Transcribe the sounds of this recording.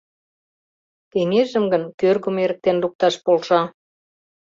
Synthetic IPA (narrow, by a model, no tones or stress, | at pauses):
keŋeʒə̆mɡə̆nkørɣə̆meɾək̚t̪enluk̚t̪ɑʃpolʃɑ